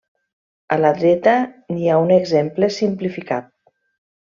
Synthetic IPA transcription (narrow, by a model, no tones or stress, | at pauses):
ələðɾɛt̪əniauneɡzemplesimplifikat̪̚